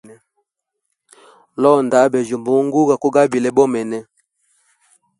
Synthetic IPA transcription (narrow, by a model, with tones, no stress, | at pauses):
ɛ˦ | lɔ˦nda˨˦bɛ˨zo˨mbo˨˦ŋ˦ɡu˦ɡa˨ko˦ɡa˦bi˨lɛ˦bɔ˦mɛ˨nɛ˦